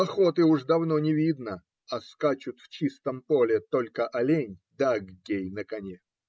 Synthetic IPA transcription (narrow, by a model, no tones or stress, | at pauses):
pɐxo̞t̪ɨuʐd̪ɐvno̞nʲɪvʲid̪nə | ɐskat͡ɕʊt̪ft͡ɕist̪əmpo̞lʲɪt̪o̞lʲkəʔɐlʲenʲd̪aɡɡʲejnəkɐnʲe